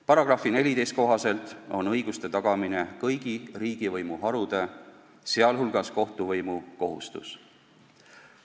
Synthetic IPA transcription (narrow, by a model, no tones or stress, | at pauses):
pɑɾɑɡ̥rɑfine̞lʲit̪e̞jst̪̚ko̞ɦɑse̞lt̪ˑo̞nɤjɡ̥ust̪e̞t̪ɑɡ̥ɑminekɤjɡ̥iriːɡ̥ivɤjmuɦɑɾud̪̥e̞ | se̞ɑlɦulɡ̥ɑsko̞ht̪uvɤjmuko̞ɦṵst̪ṵs